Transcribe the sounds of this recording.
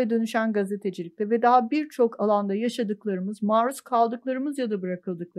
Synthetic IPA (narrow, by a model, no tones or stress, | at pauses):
ɛd̪ø̞nyʃænɡazet̪ʰe̞d͡ʒilʲict̪ɛvɛd̪aɦabiɾt͡ʃʰo̞kalˠand̪ajaʃad̪ɯklˠaɾɯmɯzmaːɾuskʰalˠd̪ɯklˠaɾɯmɯzjad̪abɯɾakʰɯlˠd̪ɯk̚lˠa